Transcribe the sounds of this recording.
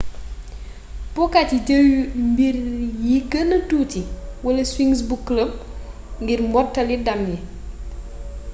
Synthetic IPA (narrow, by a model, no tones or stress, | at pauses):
pɔkatiɟəwmbirjikənɐtuːtiwɐlɐswiŋs̬bukləb̚ | ŋɡirmbɔtːɐlidɐmji